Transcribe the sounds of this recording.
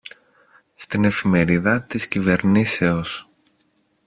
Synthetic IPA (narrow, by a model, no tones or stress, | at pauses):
st̪ine̞fime̞ɾiðɐt̪iscive̞ɾnise̞o̞s